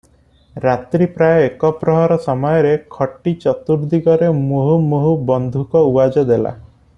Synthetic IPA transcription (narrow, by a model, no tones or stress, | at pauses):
ɾat̪ɾipɾajɔekɔpɾɔɦɔɾɔsɔmɔjɔɾekʰɔʈːit͡ʃɔt̪uɾd̪iɡɔɾemuɦumuɦubɔnd̪ʱukɔuad͡ʒɔd̪ela̰